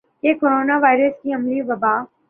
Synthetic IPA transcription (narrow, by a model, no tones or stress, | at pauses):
kekoɾoːnaʋaːɪɾəskiɐmliʋɐbaː